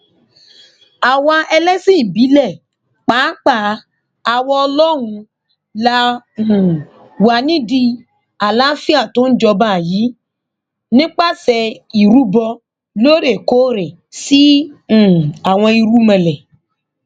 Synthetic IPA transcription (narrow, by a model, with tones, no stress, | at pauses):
a˨wa˧ʔɛ˧lɛ˦sĩ˦˨bi˨˦lɛ˦˨ | k͡pa˨˦k͡pa˦˨ | a˧wɔ˧ɔ˧lɔ˦ɾ̃ũ˧ | lã˧˨ | wa˧˨nĩ˦di˧ | a˨la˨˦fi˦a˦˨tõ˨˦n̩˦d͡ʒɔ˧ba˦˨ji˨˦ | nĩ˦k͡pa˦˨sɛ˧i˨ɾu˨˦bɔ˧ | lo˦ɾe˦˨ko˦ɾe˨ | sĩ˦˨ | a˨w̃ɔ̃˧i˧ɾu˦mɛ̃˧˨lɛ˨